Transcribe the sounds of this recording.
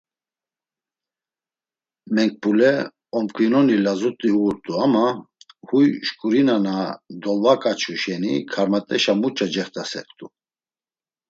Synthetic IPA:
mɛŋk̚pʼulɛ | ɔmkʰʼinɔnilazut̪ʼihuuɾt̪ʼuamahujʃkʼuɾinanad̪ɔlvakʼat͡ʃʰuʃɛnḭkʰaɾmat̪ʼɛʃamut͡ʃʰʼad͡ʒɛχt̪ʰʼasɛ̰qʼt̪ʰʼu

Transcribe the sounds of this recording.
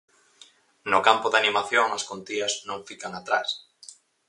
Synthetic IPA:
nʊkampʊðanimaθjoŋɐskont̪iɐznõŋfikaŋat̪ɾa̰s

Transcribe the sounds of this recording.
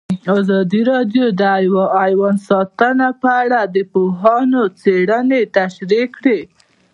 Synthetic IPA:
ɑzɑd̪iɾɑɖjod̪əjwaːjwɑnsɑt̪ənapəaɽad̪əpoɦɑnot͡seɽənet̪aʃɾikɽe

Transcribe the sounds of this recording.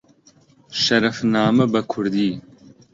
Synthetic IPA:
ʃɐɾɐfnaːmɐbɐkʰʊɾd̪iː

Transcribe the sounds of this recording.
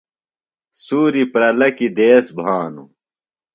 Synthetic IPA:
suːɾipɾɐlɐkid̪eːsbʱaːnṵ

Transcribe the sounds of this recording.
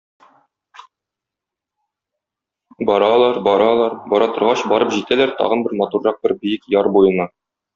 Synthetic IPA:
bɒɾɑlˠɑɾbɒɾɑlˠɑɾbɒɾɑt̪ɤ̆ɾʁɑɕbɒɾɤpʑit̪ælæɾt̪ɒ̰ʁɤ̆nbɘɾmɒt̪urːɑq̚bɘɾbɘjɘkjɒɾbujɤ̆nɑ

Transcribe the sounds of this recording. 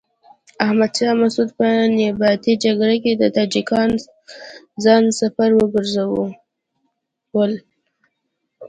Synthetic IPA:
ahmad̪ʃɑmasud̪̚pənɪbɑt̪id͡ʒaɡɽak̬ed̪ət̪ɑd͡ʒikɑn | zɑnsafaɾwəɡəɾzawu | wəl

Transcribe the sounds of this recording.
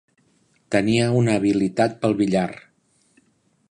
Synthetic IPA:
t̪əniəunəːβilit̪at̪̚pəlˠβiʎar

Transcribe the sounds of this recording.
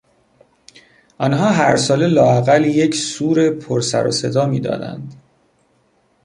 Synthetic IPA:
ʔɒːnɦɒːɦæɾsɒːle̞lɒːæɣæljecʰsuːɾe̞pʰoɾsæ̰ɾɒ̰se̞d̪ɒːmiːd̪ɒ̰ːd̪æ̰nd̪

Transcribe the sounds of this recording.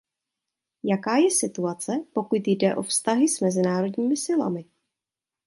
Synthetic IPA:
jakaːjɛsɪt̪uat͡sɛpo̞kut̪jdɛʔo̞fst̪aɦɪsmɛzɪnaːɾo̞dɲiːmɪsɪla̰mɪ

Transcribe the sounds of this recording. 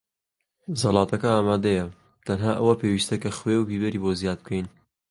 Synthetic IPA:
zɐlˠɑːt̪ʰɐkɐaːmaːd̪ɐjɐ | t̪ʰɐnɦaːʔɐwɐpewiːst̪ɐkɐχwewbiːbɐɾiːbozjaːd̪̚b̚kʰejn

